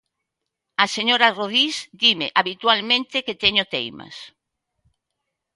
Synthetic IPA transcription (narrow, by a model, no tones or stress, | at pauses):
aseɲoɾaroð̞isd̪imeʔaβit̪walmẽnt̪eket̪eɲot̪ejma̰s